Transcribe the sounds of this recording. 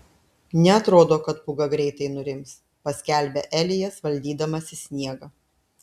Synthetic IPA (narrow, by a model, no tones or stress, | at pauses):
nʲɛɐt̪ɾoːd̪oːkɐt̪̚pʊɡɐɡɾʲɛɪt̪ɐɪnʊɾʲɪms | pɐsʲkʲæˑlʲˑbʲɛʔɛlʲɪjɛsʋɐlʲd̪ʲiːd̪ɐmɐsʲɪsʲnʲiɛɡɐ